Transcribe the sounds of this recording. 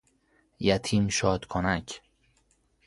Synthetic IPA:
jæt̪ʰiːmʃɒːd̪̥kʰonæcʰ

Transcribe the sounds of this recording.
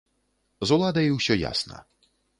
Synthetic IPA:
zɔlˠad̪ajiwɕʲɔja̰sna̰

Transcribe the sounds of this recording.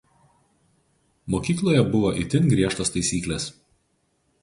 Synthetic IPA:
moːkʲiːklˠoːjɛbʊʋoːʔɪt̪ʲɪnɡɾʲiɛʃt̪oːst̪ɐɪsʲiːkʲlʲeːs

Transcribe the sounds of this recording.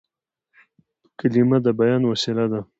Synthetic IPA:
kalimad̪əbajɑnwasilad̪a

